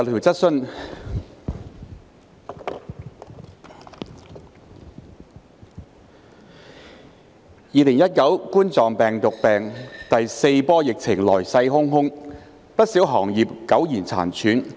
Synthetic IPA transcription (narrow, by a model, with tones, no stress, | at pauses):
t̪ʰiː˨˩wt͡sɐ˥t̚sɵ˥n | jiː˨˧lɪ˨˩ŋjɐ˥t̚kɐ˨˥wkuː˥nt͡sɔː˨˩ŋpɛː˨˩ŋt̪ʊ˨k̚pɛː˨ŋt̪ɐ˨jse˧jpɔː˥jɪ˨k̚t͡sʰɪ˨˩ŋlɔː˨˩jsɐ˧jɦʊ˥ŋɦʊ˥ŋ | pɐ˥t̚siː˨˥wɦɔː˨˩ŋjiː˨p̚kɐ˨˥wjiː˨˩nt͡sʰa̰ː˨˩nt͡ʃʰyː˨˥n